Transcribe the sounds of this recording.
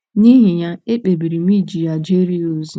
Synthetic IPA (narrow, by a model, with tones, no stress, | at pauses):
ni˦ɦi˨ɲa˦e˦k͡pe˨bi˨ɾi˨mi˦˨d͡ʒi˨ja˨d͡ʒe˦ɾi˦o˨z